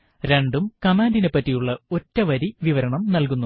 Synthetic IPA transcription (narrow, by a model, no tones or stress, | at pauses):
ɾe̞ɳɖumkɐmaːndine̞pːɐtːijuɭːɐotːɐʋɐɾiʋiʋɐɾɐɳɐmnɐlkunːu